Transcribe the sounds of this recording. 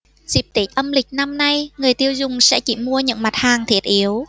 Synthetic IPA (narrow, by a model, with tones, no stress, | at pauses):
zi˨˩p̚t̪i˨˦˥t̚ʔə˧mlï˨˩k̟̚na˧mna˧jŋɨ˨˩əjt̪i˧əwzʊ˨˩ŋ͡msɛ̰˧˥t͡ɕi˧˩mu˧əɲɨ̰˧˥ŋma˨˩t̚haː˨˩ŋt̪ʰwi˨˩ət̚ʔi˨˦əw